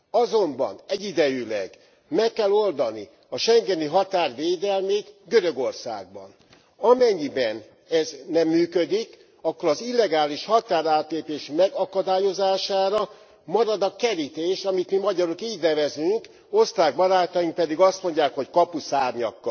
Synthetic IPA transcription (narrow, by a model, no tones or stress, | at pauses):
ɒzo̞mbɒ̰nɛɟid̪ɛjylɛ̰ɡ | mɛkːɛlo̞ld̪ɒnḭ | ɒʃɛŋɡɛniɦɒt̪aːrʋeːd̪ɛlmeːt̪ɡøɾø̞ɡo̞rsa̰ːɡ̚bɒ̰n | ɒmɛɲːibɛn | ɛznɛmːyːkød̪ik | ɒkːoɾɒzilːɛɡaːliʃhɒt̪aːɾaːt̪leːpeːʃmɛɡɒkɒd̪aːjo̞zaːʃaːɾɒ | mɒɾɒd̪ɒkɛɾit̪eːʃɒmit̪mimɒɟɒɾokiːɟnɛvɛzyŋk | o̞st̪aːɡ̚bɒɾaːt̪ɒjiŋk̚pɛd̪iɡɒst̪mo̞ɲɟaːkho̞ckɒpusaːrɲɒ̰kːɒ̰l